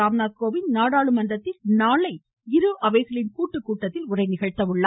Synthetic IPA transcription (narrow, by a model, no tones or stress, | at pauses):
aːmnaːðkoːʋɪnnaːɽaːɭɯmɐnd̪ɐt̪ːɪlnaːɭɐɪ | ɪɾɯʔɐʋɐɪɣɐɭɪnkuːʈːɯkːuːʈːɐt̪ːɪlʊrɐɪnɪɣɐɻt̪ɐʋɯɭːa